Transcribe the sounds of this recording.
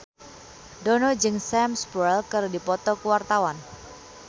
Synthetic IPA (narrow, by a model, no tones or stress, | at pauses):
dɔnɔd͡ʒɨŋsɛmspɛlkɨrdipɔt̪ɔkəwart̪awan